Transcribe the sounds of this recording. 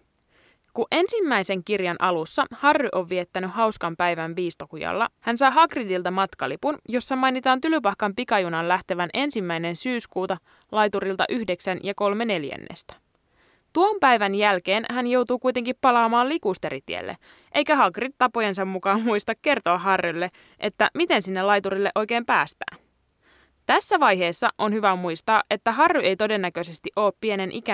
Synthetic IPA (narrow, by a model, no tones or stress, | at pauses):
kuʔe̞nsimːæjse̞ŋkirjɑnʔɑlusːɑhɑrːyʔo̞ʋːie̞t̪ːænyhɦɑwskɑmpæjʋænʋiːst̪okujɑ̰lːɑ̰hænsɑːɦɑɡridilt̪ɑmɑt̪kɑlipunjo̞sːɑmɑjnit̪ɑːnt̪ylypɑhkɑmpikɑjunɑllæht̪eʋænʔe̞nsimːæjne̞nsyːskuːt̪ɑ | lɑjt̪uɾilt̪ɑ̰ʔyhde̞ksænjɑko̞lme̞ne̞ljæ̰nːḛst̪æ̥ | t̪uompæjʋænjælke̞ːnhænjo̞wt̪uːkujt̪e̞ŋkippːɑlɑːmɑːllikust̪e̞ɾit̪ḭḛlːḛ | ʔejkæɦɑɡrit̪ːɑpo̞jens̬ɑmmukɑːmmuist̪ɑkkːe̞rt̪oɑɦɑrːylːe̞ | ʔe̞t̪ːæ̰mit̪e̞nsinːelɑjt̪uɾilːeʔo̞jk̟eːmpæːst̪æ̰ː | t̪æsːæʋɑjɦe̞ːsːɑʔonhyʋæmujst̪ɑːʔʔe̞t̪ːæɦɑrːyʔe̞jt̪o̞de̞nːækø̞s̬e̞st̪iʔo̞ːppie̞ne̞nʔikæ